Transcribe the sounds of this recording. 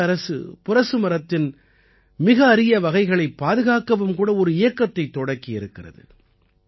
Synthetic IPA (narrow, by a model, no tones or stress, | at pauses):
ɐɾɐsɯ̰pʊɾɐsɯmɐɾɐt̪ːɪn | mɪɣɐːɾɪjɐʋɐɣɐɪɣɐɭɐɪpːaːðɯɣaːkːɐʋɯmkuːɽɐɔɾɯɪjɐkːɐt̪ːɐɪt̪ːɔɽɐkːiɪɾɯkːɪrɐ̰ðɯ̰